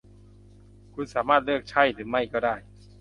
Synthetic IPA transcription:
kʰu˧nsaː˩˦maː˥˩t̪̚lɯː˥˩k̚t͡ɕʰa˥˩jt̪ɯː˩˦ma˥˩jkɔː˥˩daː˥˩j

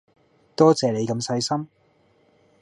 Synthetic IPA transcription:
t̪ɔː˥t͡sɛː˨ne˨˧jkɐ˧msɐ˧jsɐ˥m

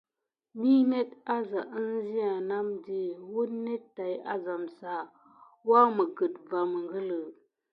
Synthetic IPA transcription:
mi˦ne˦ta˦za˨ʔə˦n˦zi˦a˨na˦mdi˦wu˦ne˦ttːa˨ja̰˦za˨msa˨ | wa˦mə˨ɡə˨t̚va˨mə˨ŋɡə˦lə˨

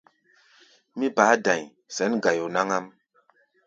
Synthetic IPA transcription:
mi˦ba˨˦dã˨ɲ | sɛ˨˦nɡa˨jo˨na˦ŋa˦m

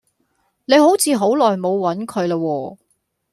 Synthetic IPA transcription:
ne˨˧jɦo˨˥wt͡sʰiː˨˧ɦo˨˥wlɔː˨jmo˨˧wwɐ˨˥nkʰɵ˨˧ɥlaː˧wɔː˧

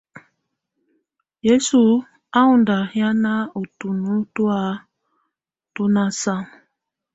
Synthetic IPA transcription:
je˦su˨ | a˦u˨nda˨hj̃a˦na˦o˨tu˨nu˦tu˦a˦ | to˦na˦sa˦˨

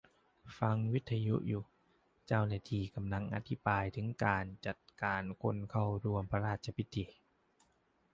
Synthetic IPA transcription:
fa˧ŋwi˦˥t̪ʰːa˧jṵ˦˥ʔjuː˨˩ | t͡ɕa˥˧˩wnaː˧˩t̪ʰiː˧ka˧mla˧ŋʔa̰˧t̪ʰi˦˥baː˧jt̪ʰɯ˩˦ŋkaː˨˧nt͡ɕa˨˩t̪̚kaː˨˩nkʰo˧˥˨nkʰa˧˥˩wɾu˧˩əmpʰa˧ɾaː˧˩t̪̚t͡ɕʰa˧pʰi˦˥t̪ʰːi˧

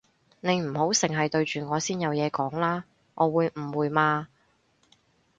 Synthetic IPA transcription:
ne˨˧jm̩˨˩ho˨˥wsɪ˨˩ŋɦɐ˨jt̪ɵ˧ɥt͡ʃyː˨ŋɔː˨˧siː˥njɐ˨˧wjɛː˨˧kɔː˨˥ŋlaː˥ | ŋʔɔː˨˧wuː˨˧jm̩˨˩wuː˨˧jmaː˧

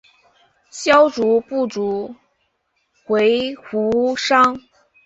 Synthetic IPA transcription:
ɕjɑ˥ʊʈ͡ʂu˧˥pu˥˩ʈ͡ʂu˧˥ | xwe˧˥ɪxu˧˥ʂɑ˥ŋ

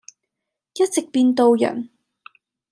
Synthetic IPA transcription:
jɐ˥t̚t͡sɪ˨k̚piː˧nt̪o˧wjɐ̰˨˩n

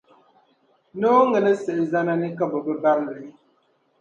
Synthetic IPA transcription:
no˦ŋɛ˨lə˦sɛ˨ʔza˦na˦ni˦ka˦bɔ˨bə˦ba˦ɾlɛ˨˦

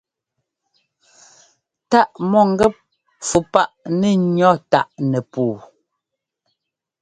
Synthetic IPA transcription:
ta˦ʔmɔ˦˨ŋ˦ɡɛ˦p̚ | fu˨pa˦ʔnɛ˦ɲɔ˦ta˦˨ʔnɛ˨puː˨

